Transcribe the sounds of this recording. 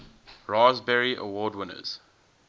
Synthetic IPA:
ɹaːzbɛɹiʔə̰wɔːdwɪ̃nə̰z̥

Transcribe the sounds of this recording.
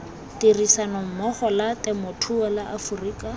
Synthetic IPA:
tirisanɔm̩mɔχɔlatɛmotʰuɔlaʔafuriːkʼa

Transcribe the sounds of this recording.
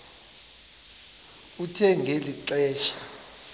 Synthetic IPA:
utʰɛŋɡʱeliǁɛːʃʰa

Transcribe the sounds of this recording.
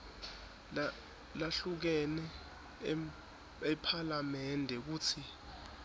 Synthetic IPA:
laɬuk̬ɛnɛ | ɛpʰalamɛndʱɛk̬uːt͡sʰi

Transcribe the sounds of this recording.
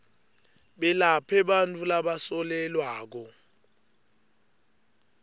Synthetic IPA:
ɓɛlapʰɛɓantʼulaɓasɔlɛlwaːk̬ɔ

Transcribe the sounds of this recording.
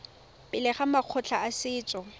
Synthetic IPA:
pʼɪlɪχamaq͡χʰɔt͡ɬʰaasɪːt͡sʼɔ

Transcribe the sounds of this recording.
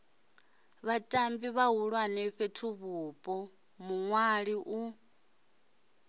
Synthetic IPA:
βatʼambiβaɦuɺwanɛɸetʰuβupʼɔ | muŋwaɺiʔu

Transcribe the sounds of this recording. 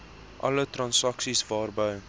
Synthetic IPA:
ʔɐ̰lətrɐnsɐksisvɑːrbəj

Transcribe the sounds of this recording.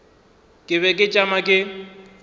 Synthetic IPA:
kʼɪβɛkʼɪt͡ʃʼamakʼɪ

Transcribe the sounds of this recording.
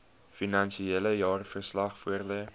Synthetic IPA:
finɐnʃieləjɑːrfərslɐχfuərlə

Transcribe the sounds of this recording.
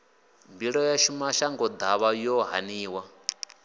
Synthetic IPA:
mbiɺɔjaʃumaʃaŋɡɔd̪aβajɔɦa̰niːwa

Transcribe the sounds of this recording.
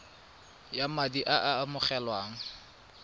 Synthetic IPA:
jamadiʔaʔamʊχɛlwaːŋ̩

